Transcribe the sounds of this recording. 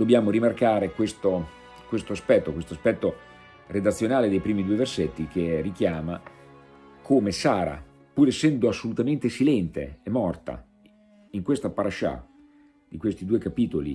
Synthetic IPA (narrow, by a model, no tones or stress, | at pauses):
d̪objaːmoɾimarkaːɾekwest̪o | kwest̪oaspɛt̪ːokwest̪oaspɛt̪ːo | red̪at̪sːjonaːled̪ejpɾiːmid̪uːeverset̪ːikerik̟jaːma | kʰomesaːɾa̰ | puːɾesːɛnd̪oasːolut̪ament̪esilɛnt̪ḛːmːɔrt̪a̰ | iŋkwest̪apaɾaʃa̰ | d̪̥ikwest̪id̪uːekapiːt̪olḭ